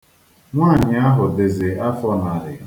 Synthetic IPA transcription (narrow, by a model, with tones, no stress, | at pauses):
ŋʷaː˦˨ɲɪ˨a˦ɦʊ˨de˨zɪ˨a˦fɔ˦na˨ɾɪ˨˦